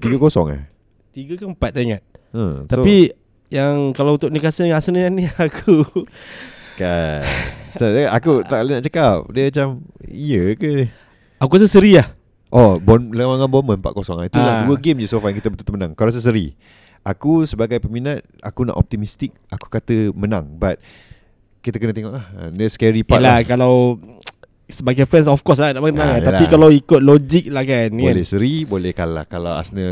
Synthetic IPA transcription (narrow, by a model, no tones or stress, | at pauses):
t̪iɡəkosɔŋa̰h | t̪iɡəkampat̪̚ːaŋat̪̚əsaopi | jaŋkalaunt̪ʊʔ̚nikasənasənəaniakʰu | ka | saaakut̪aʔlinaʔt͡ʃəkap̚diəat͡ʃamijəkə | akuas̬əsəɾiah | ʔɔbɔnləwaŋanbɔnmə̃nmpa̰ʔkosɔŋait̪ujaduəɡemd͡ʒəsofajaŋkit̪əbət̪ult̪əmənaŋkaɾas̬əs̬əɾḭ | akusəbaɡajpəminat̪̚a̰kuna̰ʔɔ̰p̚t̪imist̪ik̚ʔaku̥kat̪əmənã̰ŋbat̪̚ | kit̪akənət̪eŋɔʔlahdəskɛɾipalakalaw | səbaɡajfɾɛns̬ɔfkɔs̬lanaʔbanãŋat̪alaikalawikʊt̪̚lɔd͡ʒik̚lahkanbolɛhsəɾibolɛhkala̰hkalawa̰snə